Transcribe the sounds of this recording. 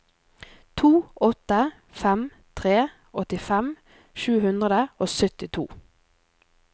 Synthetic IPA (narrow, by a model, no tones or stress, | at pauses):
t̪ʰuːɔt̪ə | fɛm | t̪ʰʁeː | ʔɔt̪ɪfɛm | ʃʉːhʉnd̪ʁəd̪əoːsœt̪ɪt̪ʰṵː